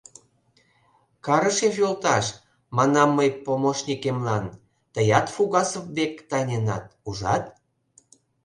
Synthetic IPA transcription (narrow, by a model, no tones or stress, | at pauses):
kɑɾəʃefolt̪ɑʃ | mɑnɑmːəjpomoʃnʲikemlɑn | t̪əjɑt̪fuɣɑsəpbekt̪ɑnʲenɑ̰t̪̚uʒɑ̰t̪